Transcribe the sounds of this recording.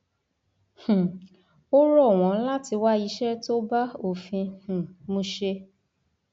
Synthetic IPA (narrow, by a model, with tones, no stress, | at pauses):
h̩˨ | o˦ɾɔ˦˨w̃ɔ̃˨˦la˦ti˧wa˦i˧˦ʃɛ˦to˦ba˦o˨fĩ˧h̩˨mũ˧ʃe˧